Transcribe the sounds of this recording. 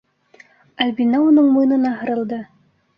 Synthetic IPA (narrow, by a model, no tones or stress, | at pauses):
ælʲbinɑunɤɴmujnɤ̆nɑɦɤ̆ɾɤ̆lˠd̪ɤ